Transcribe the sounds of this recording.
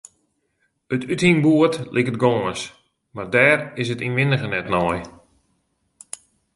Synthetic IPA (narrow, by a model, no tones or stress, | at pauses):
ətʰythinbuətlʔɪkət̚ɡɔːəns | mardɛːrɪsətinʋɪnəɣənɛtnɔj